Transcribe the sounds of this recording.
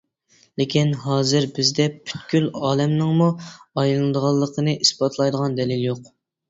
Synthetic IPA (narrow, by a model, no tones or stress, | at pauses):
lɪkʲinɦɑːzɨɾbɪzd̪ɛpʰy̥t̪kʲylɑːlɛmnɨŋmuɑjlɨnɨd̪əʁɑlˠːəqʰənɨʔisbɑt̪ʰlˠɑjd̪əʁɑnd̪ɛlɪljoq